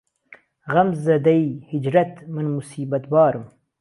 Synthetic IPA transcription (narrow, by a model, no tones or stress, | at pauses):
ɣɐmzɐd̪ɐjhɪd͡ʒɾɐt̪mɐnmusiːbɐt̪bɑːɾum